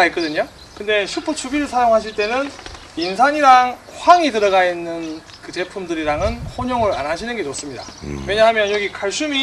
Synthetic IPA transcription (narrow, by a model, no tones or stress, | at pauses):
aɦetk͈ʌdɯɲo | kɯnde̞ɕʰupʰot͡ɕʰubiɾɯɭsʰajoŋɦaɕ̬ʰiɭt͈e̞nɯn | insʰaɲiɾaŋ | ɸwaŋitɯɾʌɡainːɯn | kɯt͡ɕe̞pʰumdɯɾiɾaŋɯnhoɲoŋɯɾa̰nɦaɕʰinɯnɡet͡ɕos͈ɯmɲida̰we̞ɲaɦamjʌnjʌɡikʰaɭɕ͈umi